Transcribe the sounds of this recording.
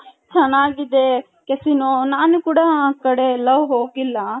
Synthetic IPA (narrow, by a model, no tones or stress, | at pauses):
t͡ʃʰɐnaːɡid̪eː | kesinoːnaːnukuɽãkɐɽelɐʋɦoːɡilːa